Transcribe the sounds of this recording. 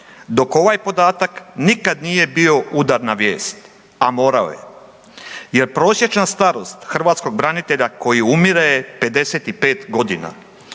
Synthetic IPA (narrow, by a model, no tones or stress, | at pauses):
d̪o̞ko̞ʋajpo̞d̪aːt̪aknikad̪nije̞bio̞ud̪aɾnaʋje̞ːst̪ | amo̞ːɾao̰je̞̰ | je̞ɾpɾo̞ːsʲje̞t͡ʃnast̪aɾo̞st̪xr̩ʋaːt̪sko̞ɡ̚bɾanit̪e̞ʎako̞jiumiɾajepe̞d̪e̞se̞ːt̪ipe̞ːt̪ɡo̞d̪ina̰